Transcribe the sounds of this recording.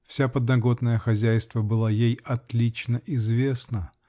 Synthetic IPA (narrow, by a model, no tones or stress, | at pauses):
fsʲapəd̪nɐɡo̞t̪nəjəxɐzʲæjst̪vəbɨlˠajejɐt̪lʲit͡ɕnəʔɪzvʲe̞snə